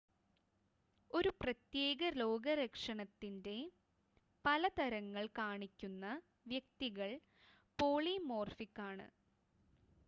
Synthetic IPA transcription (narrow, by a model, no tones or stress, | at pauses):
o̞ɾuprɐt̪je̞ːɣɐlo̞ːɡɐɾɐkʂɐɳɐt̪ːinde̞ | pɐlɐt̪ɐɾɐŋːɐɭkaːɳikʲːunːɐ | ʋjɐk̚t̪iɣɐɭ | po̞ːɭimo̞ːrfikːaːɳɨ̰